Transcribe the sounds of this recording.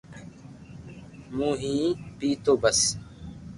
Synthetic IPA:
mũːɦĩːpiːt̪oːbəs

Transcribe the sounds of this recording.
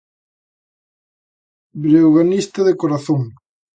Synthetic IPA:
bɾewɣanist̪ɐðekoɾaθõŋ

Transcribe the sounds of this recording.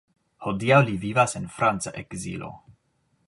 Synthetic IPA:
hodiawlivivasenfɾant͡sa̰ʔekzḭlo̰

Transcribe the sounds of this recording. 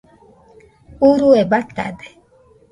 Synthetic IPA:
uɾuɛbat̪a̰dɛ

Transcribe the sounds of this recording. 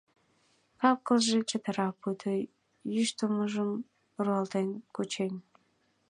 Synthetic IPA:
kɑp̚kəlʒet͡ɕə̆t̪ə̆ɾɑpːut̪ʰə | jyʃt̪uməʒəm | ruɑlt̪enkut͡ɕenʲ

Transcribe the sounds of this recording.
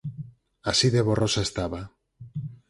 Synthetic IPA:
asiðeβorosaest̪aβa

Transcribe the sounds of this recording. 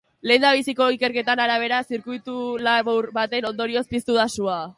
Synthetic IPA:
le̞ːnd̪aβ̞isiko̞ike̞ɾke̞t̪anaɾaβ̞e̞ɾasiɾkujt̪ulaβowɾβat̪e̞no̞nd̪o̞ɾio̞spist̪uðasua

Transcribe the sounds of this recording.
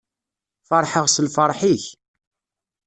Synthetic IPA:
fɑɾˤħəʁsəlfəɾˤħiç

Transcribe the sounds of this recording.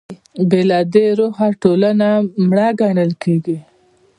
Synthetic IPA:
belɑd̪eɾoɦaʈolanamɽaɡaɳəlkeɡi

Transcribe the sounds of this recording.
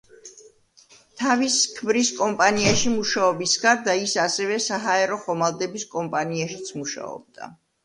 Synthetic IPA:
t̪ʰaviskʰmɾiskʼɔmpʼaniaʃimuʃaɔbisɡad̪aisasɛvɛsaɦaɛɾɔχɔmalˠd̪ɛbiskʼɔmpʼaniaʃit̪sʰmuʃa̰ɔ̰b̚d̪̥a̰

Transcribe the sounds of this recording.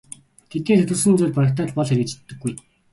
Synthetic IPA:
t̪ʰet̪neːtt̪ʰɵ̆rsɘ̆nt͡suːɮpaɾə̆k̚t̪aːɮpɔɮxeɾɘ̆kt͡ɕt̪ːɘ̆ɡːuj

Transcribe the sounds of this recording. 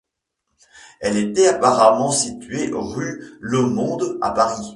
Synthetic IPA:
ɛlet̪ɛapaʁamɑ̃sit̪ɥeʔo̰ʁylɔmɔ̃d̪a̰paʁi

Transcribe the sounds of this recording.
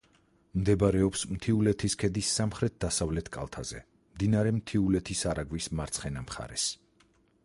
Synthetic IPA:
md̪ɛbɾɛɔpsmt̪ʰiulɛt̪ʰiskʰɛd̪isːamχɾɛt̪̚d̪asavlɛt̪ʰkʼa̰lˠt̪ʰaz̥ɛ | md̪inaɾɛmt̪ʰiulɛt̪ʰisaɾaɡwismaɾt̪sʰχɛnamχa̰ɾɛs

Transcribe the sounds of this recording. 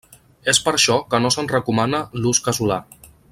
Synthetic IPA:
espəɾʃɔkənosənrəkumanəluskəzula

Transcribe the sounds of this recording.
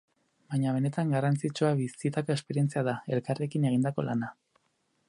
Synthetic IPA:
baɲaβ̞e̞ne̞t̪aŋɡarant͡sit͡ʃuaβisit̪ako̞espe̞ɾije̞nt͡siað̞ae̞lkare̞kineɣ̞ind̪ako̞̰lana

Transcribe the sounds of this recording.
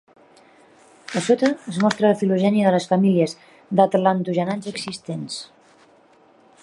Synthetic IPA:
əsot̪əːzmɔst̪ɾələfiluʒɛniəðələsfəmiliəz | d̪at̪lant̪uʒənanzəksist̪ens

